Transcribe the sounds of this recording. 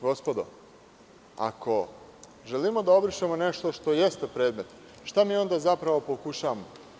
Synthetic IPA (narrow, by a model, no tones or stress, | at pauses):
ɡo̞spo̞d̪o̰ | a̰kʰo̞ | ʒelimo̞d̪ao̞bɾiʃemone̞ʃt̪o̞ʃt̪o̞jest̪epɾe̞ːd̪me̞t̪ | ʃt̪amiːo̞nd̪azapɾaʋo̞po̞kuʃaːʋamo